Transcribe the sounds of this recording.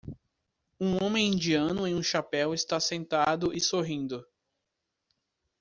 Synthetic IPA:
ũõmẽj̃ĩnd͡ʒiɐ̃nʊẽj̃ũʃapɛwɪst̪asẽnt̪ad̪ʊʔɪsoɦĩnd̪ʊ

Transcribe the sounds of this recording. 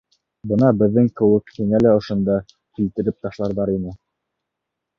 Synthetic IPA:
bɤ̆nɑbɘ̆ðːɘŋkɘ̆wɘkhiŋælæŏʃŏnd̪ɑ | kilt̪ɘ̆ɾɘp̚t̪ɑʃlˠɑɾðɑɾinɘ

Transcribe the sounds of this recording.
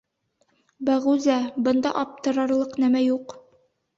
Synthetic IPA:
bæʁʉzæbɤ̆nd̪ɑ̰ʔɑp̚t̪ɤ̆ɾɑɾlˠɤqnæmæjuq

